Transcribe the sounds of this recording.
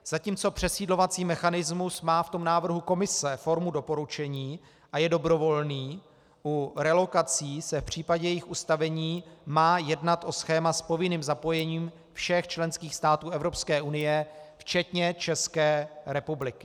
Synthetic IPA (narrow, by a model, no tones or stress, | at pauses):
z̥aciːmt͡so̞pr̝̥ɛsiːdlovat͡siːmɛxanɪzmusmaːft̪o̞mnaːvr̩ɦuko̞mɪsɛfo̞ɾmudo̞po̞ɾut͡ʃɛɲiː | ʔajɛdo̞bɾo̞vo̞lniː | ʔuɾɛlo̞kat͡siːsɛfpr̝̥iːpaɟɛjɛjɪxust̪avɛɲiːmaːjɛdnat̪ʔo̞sxɛːmaspo̞vɪniːmzapo̞jɛɲiːm | fʃɛxt͡ʃlɛnskiːxst̪aːt̪uːɛvɾo̞pskɛːʔunɪjɛft͡ʃɛt̪ɲɛt͡ʃɛskɛːɾɛpublɪkɪ̥